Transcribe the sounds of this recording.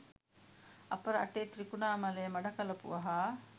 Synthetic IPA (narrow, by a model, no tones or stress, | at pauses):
ʔɐpɐɾɐɐ̰ʈeːt̪ɾikunaːmɐleːmɐɖɐkɐlɐpṵʋɐɦaː